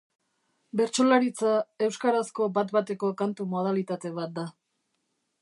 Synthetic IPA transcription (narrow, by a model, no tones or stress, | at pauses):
be̞ɾt͡ʃo̞laɾit͡sae̞wskaɾasko̞bat̪bat̪e̞ko̞kant̪umo̞ð̞alit̪at̪e̞βat̪̚d̪a